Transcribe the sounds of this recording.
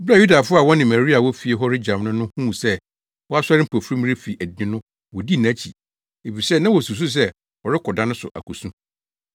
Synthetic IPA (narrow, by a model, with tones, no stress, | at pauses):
bɪ˦a˦˨ju˦da˨fʊ˦a˨wɔ̃˦nɪ̃˨mæ˨ɾi˦a˨wɔ˦fi˨e˨˦ɦɔ˦ɾɪ˦d͡ʑã˨m˦nʊ̃˦nʊ̃˦hũː˦˨sɛ˦ | wɔ˦a˦sɛ˦ɾɪ˦m̩˦pʰo˨fɾi˦m̃˦ɾɪ˦fi˨ʔæ˨dɪ̃˦nʊ̃˦ | wɔ˨di˦˨næ̃˦t͡ɕʰi˨ | e˨fi˨sɛ˦nã˦wɔ˨su˨s̬u˦s̬ɛ˦ | wɔ˨ɾɪ˦kʰɔ˨dã˦nʊ̃˦sʊ̰˨ʔa̰˨kʰu˨sũ˦